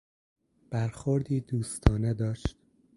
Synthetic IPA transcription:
b̥æɾxoɾd̪iːd̪uːst̪ʰɒːned̪ɒːʃt̪

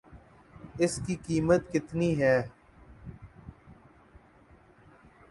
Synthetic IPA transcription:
ɪskikiːmət̪kɪt̪niɦɛː

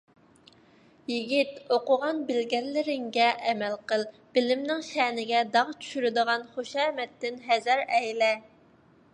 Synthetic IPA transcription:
jiɡʲit̪oqʊʁɑnbɪlɡʲɛllːɪɾɪŋɡʲɛʔɛmɛlqəlˠ | b̥ɪlɪmnɪŋʃɛnɪɡʲɛd̪ɑʁt͡ʃʰy̥ʃyɾɪd̪əʁɑnχoʃɛːmɛt̪ːɪnɦɛzɛɾɛjlɛ

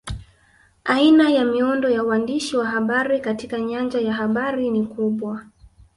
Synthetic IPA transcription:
ainajamiɔndɔjawandiʃiwaɦaɓaɾikatikaɲand͡ʒajaɦaɓaɾinikuɓwa

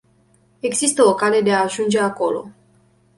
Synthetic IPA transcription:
e̞ɡzist̪əo̞kale̞d̪e̞aːʒund͡ʒe̞ako̞lo̞̰

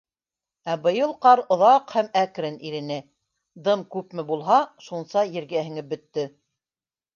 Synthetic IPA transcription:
æbɤ̆jɤlˠqɑɾŏðɑqhæmækɾɘniɾɘ̆nɘ | d̪ɤmkʉpmɘ̆bulˠɦɑʃunsɑjɘ̆ɾɡæhɘ̆ŋɘbɵ̆t̪ːɵ

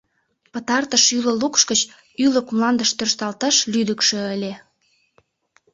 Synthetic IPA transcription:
pət̪ɑrt̪əʃylə̆lukʃkət͡ɕ | yləkmlɑnd̪əʃt̪ørʃt̪ɑlt̪ɑʃlyd̪əkʃø̆əlʲe

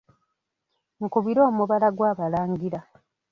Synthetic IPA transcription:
ŋ̩kuβiɾo̞ːmuβalaɡwaːβalaːŋɡiɾa

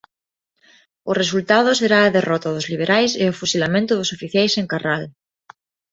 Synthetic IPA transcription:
ores̬ult̪að̞oseɾaːðerɔt̪aðozliβ̞eɾʔajseofusilamẽnt̪ʊðosofiθjajseŋkaral

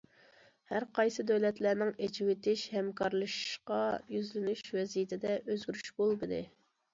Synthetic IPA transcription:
hæɾqʰɑjsɨd̪ɛwlɛt̪læɾnɪŋed͡ʒɪwɪt̪ʰɪʃhɛmkʰɑɾlˠɨʃqɑjyzlɪnyʃwɛzijit̪ʰɪd̪ɛʔøzɡʲyɾyʃbolˠbɨd̪ɨ̰

